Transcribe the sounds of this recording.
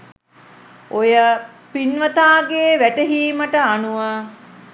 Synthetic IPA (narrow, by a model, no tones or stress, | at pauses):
ojə | pinʋət̪aːɡeːʋæʈəɦiːməʈəanuʋa